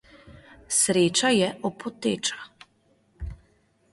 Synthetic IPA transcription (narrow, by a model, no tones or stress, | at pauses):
sɾeːt͡ʃajɛʔɔpʰɔt̪ḛːt͡ʃḁ